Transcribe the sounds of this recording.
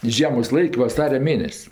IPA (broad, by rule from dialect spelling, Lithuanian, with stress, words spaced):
ɪ ˈʒʲiɛmoːs ˈlˠɐɪkʲ ʋɐˈsɑːrʲɛ ˈmʲeːnʲɛsʲ